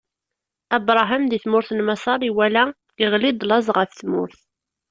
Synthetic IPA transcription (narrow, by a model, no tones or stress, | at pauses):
æbɾˤɑɦəmðiθmʊɾθnmɑsˤɑɾˤiwælæ | iʁlid̪ˤlɑzˤʁəfθmʊ̰ɾθ